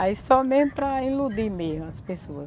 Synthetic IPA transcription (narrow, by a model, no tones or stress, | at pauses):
aissɔmezmʊpɾɐĩlud̪imezmʊɐspesoɐ